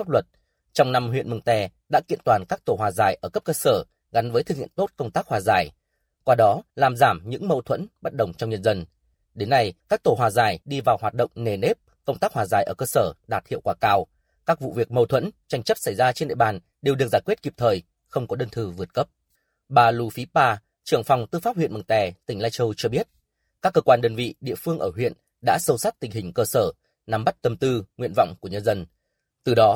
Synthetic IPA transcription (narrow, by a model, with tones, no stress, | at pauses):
a˦˥p̚lwə˨˩t̚ | t͡ɕɔ˧wŋ͡mna˧mɦwḭ˧˨ənmɨ˨˩ŋt̪ɛ˧˩ | ɗa̰ː˧˥kḭ˧˨ənt̪waː˨˩nkaː˦˥k̚t̪o˧˩hwaː˨˩zaː˨˩jʔəː˧˩kə˦˥p̚kəː˧səː˧˩ | ɣa˨˦nvəː˨˦t̪ɨ˧˩ŋḭ˧˨ənt̪o˦˥t̚kə˧wŋ͡mt̪aː˦˥k̚hwaː˨˩zaː˧˩j | kwaː˧ɗɔ˨˦laː˨˩mzaː˧˩mɲɨ̰˧˥ŋmə˧wt̪ʰwə̰˧˥nɓə˦˥t̚ɗə̰˨˩wŋ͡mt͡ɕɔ˧wŋ͡mɲə˧nzə˧n | ɗe˨˦nːa˧jkaː˦˥k̚t̪o˧˩ɦwaː˨˩zaː˨˩jɗi˧vaː˨˩whaː˨˩t̚ɗə̰˧˨wŋ͡mne˨˩ne˦˥p̚ | kə˧wŋ͡mt̪aː˦˥k̚hwaː˨˩zaː˨˩jʔəː˧˩kəː˧səː˧˩ɗaː˨˩t̚hḭ˧˨wkwaː˧˩kaː˧w | kaː˦˥k̚vṵ˧˨vi˨˩ək̚mə˧wt̪ʰwə̰˧˥nt͡ɕa˧jŋ̟t͡ɕə˦˥p̚sa˧˩jzaː˧t͡ɕe˧nɗḭ˧˨ɓaː˨˩n | ɗe˨˩wɗɨ˨˩əzaː˧˩jkwi˦˥ət̚ki˨˩p̚t̪ʰəː˨˩j | xə˧wŋ͡mkɔ˨˦ɗəː˧nt̪ʰɨ˧˩vɨ˨˩ət̚kə˦˥p̚ | ɓaː˨˩lu˧fi˨˦paː˧ | t͡ɕɨ˨˩əŋfwŋ͡mt̪ɨ˧faː˦˥p̚wḭ˧˨nm˨˩ŋt̪ɛ˨˩t̪ï˨˩ŋ̟laː˧jt͡ɕə˧wt͡ɕɔ˧ɓi˦˥ət̚ | kaː˦˥kːəː˧kwaː˧nɗəː˧nvḭ˧˨ɗḭ˧˨əfɨ˧əŋʔəː˧˩ɦwḭ˧˨ən | ɗa̰ː˧˥sə˧wsa˦˥t̚t̪ï˨˩ŋ̟ɦï˨˩ŋ̟kəː˧səː˧˩ | na˨˦mɓa˦˥t̚t̪ə˨˩mt̪ɨ˧ŋwḭ˧ənva̰˧˨wŋ͡mku˧˩əɲə˧nzə˧n | t̪ɨ˨˩ɗɔ˨˦